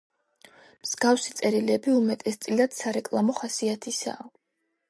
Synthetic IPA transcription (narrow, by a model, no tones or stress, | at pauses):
mz̥ɡafsit̪sʼɛɾilɛbiumɛt̪ʼɛst̪sʼilad̪̥saɾɛkʼlˠamɔχasiat̪ʰisa̰ː